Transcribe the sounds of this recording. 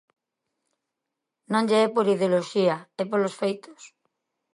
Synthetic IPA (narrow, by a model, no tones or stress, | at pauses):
nõŋʎeɛpoɾiðeoloʃiaepolosfejt̪o̥s